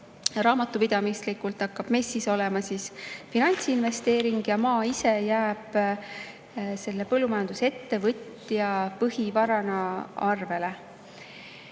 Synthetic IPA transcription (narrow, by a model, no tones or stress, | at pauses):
rɑːmɑt̪ːˑupid̪̥ɑmislikult̪ɑkːɑb̥me̞sːiso̞lɛmɑsiːsfinɑnʲt̪siinve̞st̪e̞ːɾiŋɡ̥jɑmɑːise̞jæːb̥ | se̞lːe̞pɤlːumɑjɑnd̪̥use̞t̪ːe̞vɤt̪ | jɑpɤɦivɑɾɑnɑɑrve̞le̞